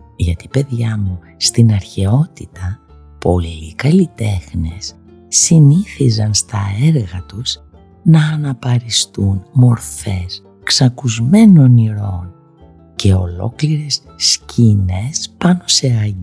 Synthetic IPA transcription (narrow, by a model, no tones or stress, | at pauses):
ʝɐt̪i̥pe̞ðʝɐmu | st̪inɐɾçe̞o̞t̪it̪ɐ | po̞liːkɐlit̪e̞xne̞̰sː | iniθizɐnst̪ɐe̞ɾɣɐt̪us | nɐːnɐpɐɾist̪unmo̞ɾfe̞s | ksɐkuzme̞no̞niɾo̞n | ce̞o̞lo̞̰kliɾe̞s | scʰine̞spɐno̞se̞ɐi